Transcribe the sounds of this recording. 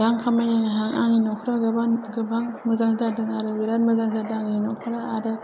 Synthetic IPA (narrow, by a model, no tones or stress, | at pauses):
daŋkʰamajanaɦaŋa̰ŋinɔkʰɯɾaɡɯbanɡɯbaŋmɯzaŋzadɯŋaɾɯwiɾanmɐzaŋzadaŋinɔkʰɯɾaːda